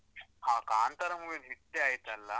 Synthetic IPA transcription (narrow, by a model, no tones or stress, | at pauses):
hãkaːnt̪əɾamuʋenɦit̪ːeaɦet̪alːa